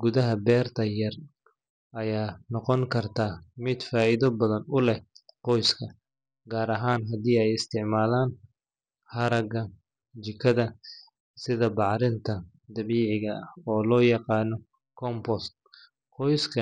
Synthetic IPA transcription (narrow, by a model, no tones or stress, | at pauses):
ɡʊðɐɦɐbɛːrt̪ʰɐjɐr | ʔɐjaːnɔqɔŋkʰɐrt̪ʰaːmɪd̪faːɪðɐbɐðɐnʊlɛqɔjskʰɐ | ɡaːɾɐɦaːnɦɐd̪iːɛjɪst̪ʰɪʕmaːlaːn | hɐɾɐɡɐ | t͡ʃɪkʰɐðɐ | sɪðɐbɑʕɾɪnt̪ʰɐ | d̪ɐβiːʕɪɣɐɐhɔːlɔːjɑqɑːnɔ | kʰɔmpɔst̪ | qɔjskʰɐ